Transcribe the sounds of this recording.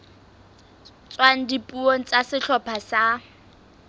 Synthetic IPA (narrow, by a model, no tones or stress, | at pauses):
t͡sʼwaŋ̩dipʼuoŋ̩t͡sʼasɪɬʰɔpʰasa